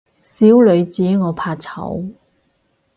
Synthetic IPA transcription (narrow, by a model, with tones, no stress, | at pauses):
siː˨˥wlɵ˨˧ɥt͡siː˨˥ŋɔː˨˧pʰaː˧t͡sʰɐ̰˨˧˥w